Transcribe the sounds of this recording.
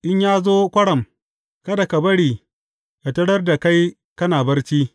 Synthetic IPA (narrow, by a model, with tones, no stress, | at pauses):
ʔɪ˦ɲjaː˦zoː˦kʷɐ˦ɽɐ˨m | kɐ˦da˨ka˨bɐ˦ɽiː˨ | ʔa˨tɐ˦ɽɐ˦rda˨ka˦j | kɐ˦naː˨bɐ˦rt͡ʃiː˦